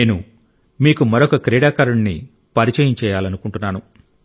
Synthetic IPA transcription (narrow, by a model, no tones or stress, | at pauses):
eːnu | miːkumɐɾokɐkɾɛːɽaːkɐɾuɳːḭ | pɐɾit͡ʃɐjɐmt͡ʃɛːjaːlɐnukuɳʈunːaːnu